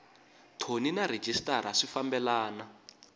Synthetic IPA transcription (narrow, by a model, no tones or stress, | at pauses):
tʰoninaɾed͡ʒistaɾ̤aʂifambɛlaːna